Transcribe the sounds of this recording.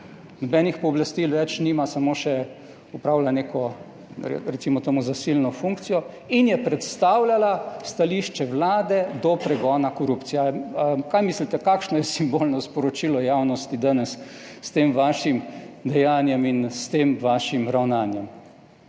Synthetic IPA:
nɔbɛːnixpɔːblast̪ilʋɛt͡ʃniːmasamoːʃɛ | upɾaːwlanekʰɔ | ɾɛt̪simɔt̪əmuzasilnɔfuŋkt̪sijɔ | injɛpɾɛt̪st̪aːwlalast̪aliʃt͡ʃɛʋlaːd̪ɛd̪ɔpɾɛɡɔːnakɔɾupt̪sijakajmislit̪ɛkaːkʃnɔjɛsimbolnɔspɔɾɔt͡ʃilɔjaːwnɔst̪id̪anɛsː | t̪eːmʋaːʃimd̪ɛjaːnjɛminst̪eːmʋaːʃimɾawnaːnjɛm

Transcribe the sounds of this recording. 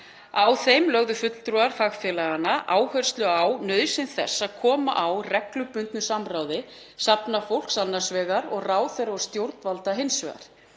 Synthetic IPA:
awθejmlœɣðʏfʏt̪l̥t̪ɾuaɾ̥faɣfjɛːlaɣanaʔaːwhœɾ̥st̪lʏawnœːðsɪnθɛ̰sːaðkʰɔːma̰ʔawrɛklʏpʏnt̪nʏsamɾaːwðɪ | sapnafowl̥ksanːarsvɛːɣaɾɔɣraːwθɛɾaɔɾ̥st̪jowɾt̪nvalt̪aɦejnsvɛ̰ɣa̰ɾ̥

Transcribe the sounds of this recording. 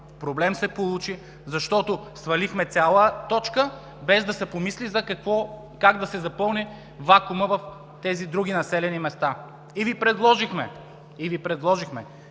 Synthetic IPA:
pɾoblɛmsɛpolˠut͡ʃi | zɐʃt̪ɔt̪osvɐlixmɛt̪sʲjalˠət̪ɔt͡ʃkə | bɛzd̪ɐsɛpomislizɐkɐkvɔ | kaɡd̪ɐsɛzɐpɤlˠni | vakʊməvɐf | t̪ɛzid̪ɾuɡ̟inɐsɛlɛnimɛst̪a | ivipɾɛd̪lˠɔʒixmɛ | ivipɾɛd̪lˠɔʒixmɛ

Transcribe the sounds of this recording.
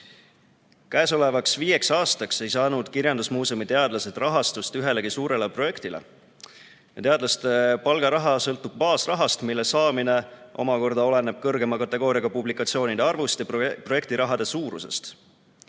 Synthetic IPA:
kæeso̞le̞vɑksviːe̞ksɑːst̪ɑkse̞jsɑːnud̪̥kirjɑnd̪̥usmuːsumit̪e̞ɑd̪̥lɑse̞d̪rɑɦɑst̪ust̪yɦe̞le̞ɡisuːɾe̞lepro̞je̞kt̪ilḛ | jɑt̪eɑd̪̥lɑst̪epɑlɡ̥ɑɾɑɦɑsɤlt̪ːˑub̥̚pɑːsrɑɦɑst̪milːesɑːmine̞ʔo̞̰mɑko̞rd̪̥ɑo̞le̞ne̞b̥̚kɤrɡe̞mɑkɑt̪ːˑe̞ɡ̥o̞ːɾijɑɡ̥ɑpublikːˑɑt̪sio̞ːnid̪eɑrvust̪jɑpro̞je̞k̚t̪iɾʔɑɦɑd̪̥e̞suːɾṵse̞̰st̪

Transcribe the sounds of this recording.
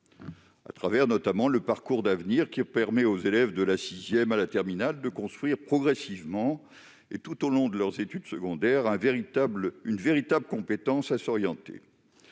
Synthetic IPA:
a̰t̪χavɛʁnɔt̪amɑ̃ləpaʁkuʁd̪avniʁkʲipɛʁmɛozelɛvd̪əlasizjɛmalat̪ɛʁminald̪əkɔ̃st̪χwɥiʁpχɔɡʁɛsivmɑ̃ | ḛt̪ut̪olɔ̃d̪əlœʁzet̪yd̪səɡɔ̃d̪ɛʁɛ̃vʁiblynveʁit̪abləkɔ̃pet̪ɑ̃sasɔʁjɑ̃t̪ḛ

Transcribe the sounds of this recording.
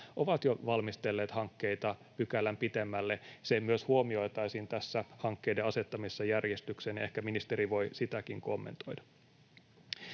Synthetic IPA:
ʔo̞ʋɑt̪joʋɑlmist̪e̞lːeːt̪hɑŋkːe̞jt̪ɑpykælːæmpit̪emːælːesemyøshuomio̞jt̪ɑisint̪æsːæhɑŋkːe̞jdeɑse̞t̪ːɑmisːɑjærjest̪yksenehkæminist̪e̞ɾiʋo̞jsit̪ækiŋko̞mːḛnt̪o̞jdɑ̥

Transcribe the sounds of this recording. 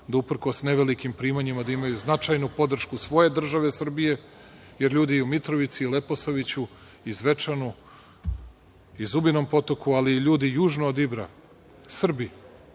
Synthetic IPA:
d̪aupr̩ko̞sne̞ʋelikimpɾiːmaɲimad̪aimajuznat͡ʂajnupo̞d̪r̩ʃkusʋo̞je̞d̪r̩ʒaʋe̞sr̩bije̞ | je̞ɾʎuːd̪iumit̪ɾo̞ʋit̪siːle̞poso̞ʋit͡ɕu | izʋe̞t͡ʂanu | izubino̞mpo̞t̪o̞kualiːʎuːd̪ijuːʒnoːd̪ibɾa | sr̩bi

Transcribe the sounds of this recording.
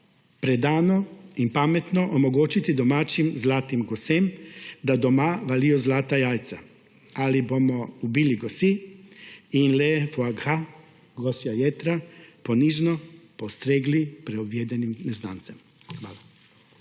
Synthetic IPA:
pɾed̪aːnoimpamet̪noʔomoɡoːt͡ʃit̪id̪omaːt͡ʃimzlaːt̪imɡosemd̪ad̪omaʋalijɔzlaːt̪ajaːjt̪sa | alibomɔubiliɡosi | inlefoaɡha | ɡosjajet̪ɾaponiʒnɔpost̪ɾeːɡlipɾɛobʋjeːd̪ɛnimneznaːnt̪sɛm | xʋaːla

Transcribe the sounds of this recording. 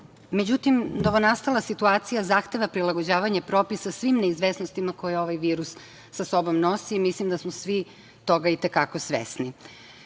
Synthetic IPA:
me̞d͡ʑut̪imno̞ʋo̞nast̪alˠasit̪uaːt̪sijazaxt̪e̞ʋapɾilˠaɡod͡ʑaːʋaɲepɾo̞ːpisasʋimneizʋesnost̪imako̞jeo̞ʋajʋiːɾusː | aso̞bo̞mno̞siːmislimd̪asmosʋi | t̪o̞ɡait̪ekako̞sʋḛsni

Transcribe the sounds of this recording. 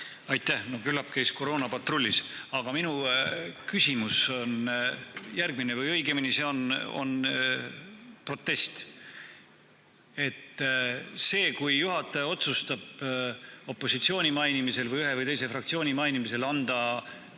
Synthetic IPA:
ɑjt̪ːˑæhno̞kylːɑpkæjsko̞ɾo̞ːnɑpɑt̪ro̞lʲːisɑɡ̥ɑminukysʲimuso̞n | jærɡ̥mine̞vɯjɤ̞jɡeminise̞o̞no̞̰n | pro̞t̪ːˑe̞st̪ | e̞t̪ː | se̞ːkujːuɦɑt̪ːˑɑjo̞t̪sust̪ɑb̥ | o̞pːo̞sit̪sio̞ːnʲimɑjnimise̞lvɯjyɦevɯjt̪e̞js̬e̞frɑk̚t̪sio̞ːnʲimɑjnimise̞lɑnd̪̥ɑ

